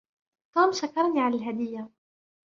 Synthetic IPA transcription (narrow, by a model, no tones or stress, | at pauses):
t̪uːmʃakɑɾˤniːʕalalɦad̪ɪjːa